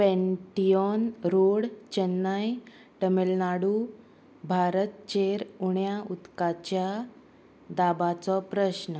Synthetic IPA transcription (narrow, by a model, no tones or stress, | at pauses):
pɛ̃ɳʈijɔnɾoɽt͡ɕənːaj | ʈəmelnaɽu | bʱaɾət̪̚t͡ɕeɾuɳjaut̪kat͡ɕja | d̪abat͡sɔpɾəɕnə